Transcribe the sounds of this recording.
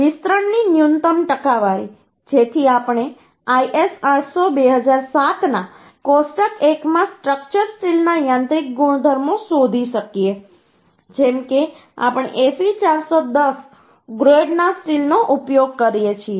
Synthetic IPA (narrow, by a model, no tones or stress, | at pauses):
ʋist̪ɾəɳninjunt̪əmʈəkaʋaɾḭ | d͡ʒet̪ʰiapɳ̃e | aiʔesãʈʰsobeɦəd͡ʒaɾsat̪na | kosʈəkekmãsʈɾək̚t͡ʃəɾsʈilnajãnt̪ɾik̚ɡuɽ̃d̪ʱəɾmosod̪ʱiʃəkije | d͡ʒɛmke | a̰pəɳ̃ḛʔefit͡ʃaɾsod̪əs | ɡɾoɖnasʈilnoʔupjoɡ̚kəɾijet͡ʃʰie